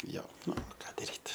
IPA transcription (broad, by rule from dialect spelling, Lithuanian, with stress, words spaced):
ˈjoː ˈnʊ ˈkɑː dɐˈrʲiːt